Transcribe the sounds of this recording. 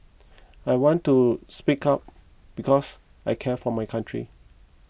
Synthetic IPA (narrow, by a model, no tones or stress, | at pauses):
ajwɔ̃ntuspikap̚ | b̥ikʰɔs | ajkʰɛfɔmajkʰãntʰɹḭ